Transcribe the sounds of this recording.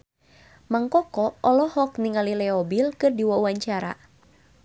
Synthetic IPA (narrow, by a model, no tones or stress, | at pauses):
maŋkɔkɔɔlɔhɔk̚niŋalilɛɔbilkɨrdiwɔuaɲt͡ʃaɾa̰